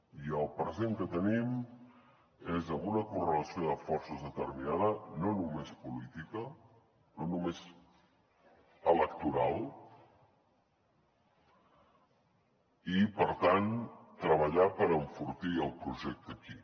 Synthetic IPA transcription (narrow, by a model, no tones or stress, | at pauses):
iəlˠpɾəzeŋkət̪ənim | ezəmunəkurələsioðəfɔɾsəzðət̪ərminaðənonumespulit̪ikə | nonumez | ələk̚t̪uɾalˠ | ipəɾt̪ant̪ɾəβ̞əʎapəɾəɱfuɾt̪iəlˠpɾuʒɛk̚t̪əki